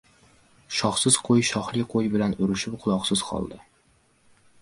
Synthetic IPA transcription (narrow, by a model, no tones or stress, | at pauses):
ʃɒχsɪz̥qʰojʃɒχlˠɪqʰojbɪlanʊɾɪʃɪpqʰʊlˠɒqsɪz̥qʰɒ̰lˠd̪ɪ